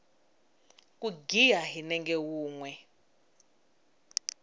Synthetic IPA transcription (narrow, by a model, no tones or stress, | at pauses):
kʼuɡijaɦinɛŋɡɛwuːŋwɛ